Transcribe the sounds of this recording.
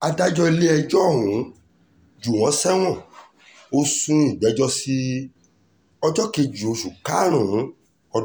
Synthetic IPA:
a˧da˦d͡ʒɔ˧i˧le˦ɛ˧d͡ʒɔ˦˨ɦũ˨˦ | d͡ʒu˨w̃ɔ̃˨˦sɛ˦w̃ɔ̃˦˨ | o˧sũ˧i˦˨dɛ˨˦d͡ʒɔ˦si˧ | ɔ˧d͡ʒɔ˦ke˧d͡ʒu˨o˨˧ʃu˨ka˦ɾ̃ũ˦˨˦ | ɔ˧˦

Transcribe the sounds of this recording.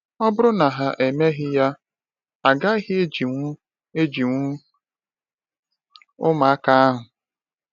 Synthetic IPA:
ɔ˦bʊ˦ɾʊ˦na˨ɦa˨ʔe˨me˦ɦɪ˦ja˦ | a˨ɡa˦ɦɪ˦e˦d͡ʒi˨ŋʷu˦ | e˦d͡ʒi˨ŋʷu˦ | ʊ˦ma˨a˦ka˦a˦ɦʊ˨

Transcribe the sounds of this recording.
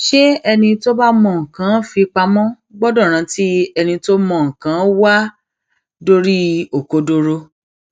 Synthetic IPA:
ʃe˦ɛ˧nĩ˧to˦ba˦mɔ̃˧˨ŋ̩˨kã˨˦fi˧k͡pa˧mɔ̃˦ | ɡ͡bɔ˦dɔ˦˨ɾ̃ã˨˧˦ti˦ɛ˧nĩ˧to˦mɔ̃˧˨ŋ̩˨kã˨˦wa˦ | do˦ɾi˦o˨ko˧do˧ɾo˧

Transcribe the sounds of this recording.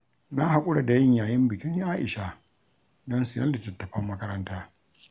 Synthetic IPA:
na˦ɦa˨kʷʼʊ˦ɽa˨da˨jɪ˦ɲjaː˨jɪ˦mbɪ˨kʲɪ˦ʔaː˦ʔɪ̰˨ʃa˨ | dɔ˦nsi˨nɐ˦lɪ˨tɐ˨tːɐ˨ɸɐ˦mːɐ˦kɐ˦ɾɐ˦ntaː˦

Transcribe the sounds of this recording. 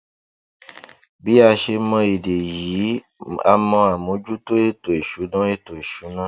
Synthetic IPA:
bi˦a˦ʃe˧mɔ̃˧ji˨de˨ji˨˦ | a̰˨mɔ̃˧a˨mõ˨˦d͡ʒu˦t̪o˦e˦t̪o˨e˨ʃu˨˦nɔ̃˦e˦t̪o˨e˨ʃu˨˦nã˦

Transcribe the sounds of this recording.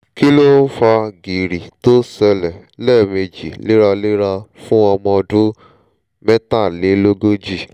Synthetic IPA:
ki˦lo˦n̩˦fa˧ɡi˨ɾi˨to˦sɛ˧lɛ˨lɛ˦˨me˧d͡ʒḭ˨le˦ɾa˧le˦ɾa˧fũ˦ɔ˧mɔ̃˧dũ˦ | mɛ˦ta˦˨le˨˦lo˦ɡo˦d͡ʒi˦˨

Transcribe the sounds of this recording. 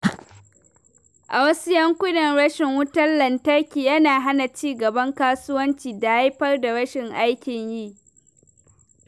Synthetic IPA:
ʔa˨wɐ˦sʊ˦jɐ˦ŋkʷʊ˦nɐ˨nɽɐ˦ʃɪ˨ŋwʊ˦tɐ˦nːɐ˨ntɐ˦rkʲiː˨jɐ˦naː˨ɦa˦na˨t͡ʃiː˦ɡɐ˨bɐ˦ŋkaː˦sʊ˦wɐ˦nt͡ʃiː˨da˨ja˦jɸɐ˦rda˨ɽɐ˦ʃɪ˨ŋʔa˦jkʲɪ˨ɲjiː˦ʔ

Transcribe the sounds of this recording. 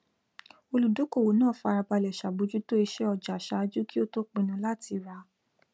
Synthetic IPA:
o˧lu˨do˨˦ko˦˨wo˨˦nãː˦˨fa˧ɾa˧ba˧lɛ˨ʃa˨bo˨˦d͡ʒu˦to˦i˧ʃɛ˦ɔ˧d͡ʒa˨ʃa˨˦d͡ʒu˦ki˦o˦to˦k͡pĩ˧nũ˧˦la˦ti˧ɾa˧˦

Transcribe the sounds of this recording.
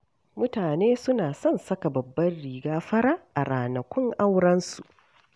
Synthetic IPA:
mʊ˦taː˨neː˦sʊ˦naː˨sɔ˦˨nsɐ˦ka˨bɐ˨bːɐ˦rɽiː˨ɡaː˦ɸɐ˦ɽa˦ʔa˨ɾaː˨nɐ˨kʷʊ˦ŋʔa˦wɽɐ˦nsu˨ʔ

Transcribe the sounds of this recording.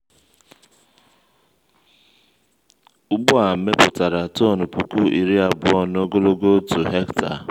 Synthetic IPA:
ʊ˦ɡ͡bʊ˦a˨m̩˨me˦pʊ˨ta˨ɾa˨to˦˨nu˨pu˨ku˦ʔi˨ɾi˦a˨bʊ˨ɔ˦no˦ɡo˦lo˦ɡo˦tu˨ɦe˦kta̰˨

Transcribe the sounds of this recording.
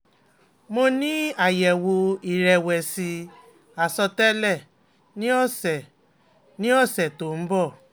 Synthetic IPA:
mo˧nĩ˦a˦˨jɛ˨wo˧i˨ɾɛ˧˨wɛ˨si˧ | a˨sɔ˧tɛ˦lɛ˦˨ | nĩ˦ɔ˦˨sɛ˨ | nĩ˦ɔ˦˨sɛ˨to˨m̩˦bɔ˦˨

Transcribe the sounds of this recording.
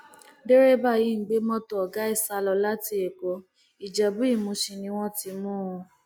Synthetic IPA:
de˦ɾe˦ba˦˨ji˨˦ŋ̩˨˦ɡ͡be˨˦mɔ̃˦tɔ˦ɔ˨ɡa˨˦i˦˨sa˧lɔ˧la˦ti˧˦e˨ko˨˦ | i˨d͡ʒɛ˨bu˨˦i˦˨mũ˧˦ʃi˨nĩ˧˦w̃ɔ̃˦ti˧mũː˦ɔ̃˧

